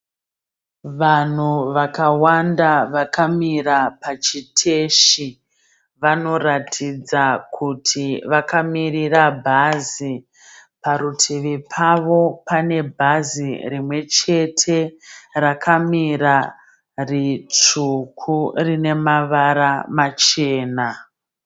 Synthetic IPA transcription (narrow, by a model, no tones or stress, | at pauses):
ʋan̤uʋakawandaʋakamirapat͡ʃitʰe̞ʃi | ʋano̞ratʰid͡zakʰutʰiʋakamirirabʱazi | paɾutʰeʋepʰaʋo̞pane̞bʱazirimwe̞t͡ʃe̞tʰe̞rakʰamiɾa | rit͡ʂukʰurine̞maʋaɾamat͡ʃe̞ːna